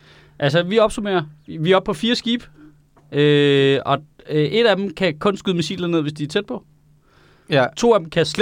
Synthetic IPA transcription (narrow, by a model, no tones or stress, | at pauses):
ʔælsəʋiɒ̽b̥sume̝̰ːɐʋiæɒ̽b̥̚pʰɒ̽fiːɐsɡ̥ḭːb̥ | øɒ̽ | ʔe̝d̥æd̥em̩kʰækʰɔ̽nsɡ̥yðˠmesḭːlɐðne̝ð̰ˠʋe̝sd̥iæɐt͡sʰed̥̚pʰɒ̽ | t͡sʰo̝̰ːæd̥m̩kʰæsle